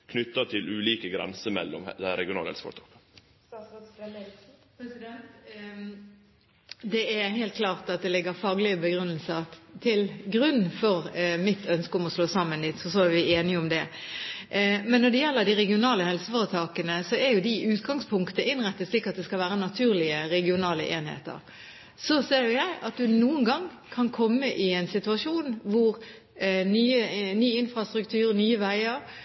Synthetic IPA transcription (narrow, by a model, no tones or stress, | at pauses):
kʰnʏt̪ːət̪ʰɪlʉːliːkəɡɾɛ̰nsəmɛ̰lːɔ̰md̪ɛɾɛ̰ɡɪʊnɑ̰ːləɛ̰lsəfɔ̰ɾt̪ʰɑ̥ːkə | pʰɾɛsɪd̪ɛnt̪ | d̪ɛæɾɦeːlt̪̚kʰlɑːʁt̪ɑt̪̚d̪ɛlɪɡəɾfɑɡlɪəbəɡɾʉnːəlsəʁt̪ʰɪlɡʁʉnːfɔʁmɪt̪ʰœnskəʊmɔsloːsɑmːənd̪ɪt̪fɔs̬ɔæʋɪeːnɪəʊmd̪ɛ | mɛnːɔd̪ɛjɛlːəʁd̪ɪʁɛɡɪʊnɑːləhɛlsəfɔːɾət̪ʰɑːkənəsɔɛɾjʊd̪ɪʉːt̪ɡɑŋspʰʊŋkt̪əʔɪnʁɛt̪ːət̪sliːkːɑt̪̚d̪ɛskɑlʋæːɾənɑt̪ʰʉːʁlɪəɾɛɡɪʊnɑːlə̰ʔeːnhḛːt̪ə̰ʁ | sɔseːɾjʊjæɪʔɑt̪̚d̪ʉnuːənɡɑŋ | kʰɑnkʰɔmːəʔɪɛɪnsɪt̪ʉɑʂuːnʋʊʁ | nyːənyːɪnfʁɑst̪ɾʉkt̪ʰʉːʁnyːəʋæɪəɾ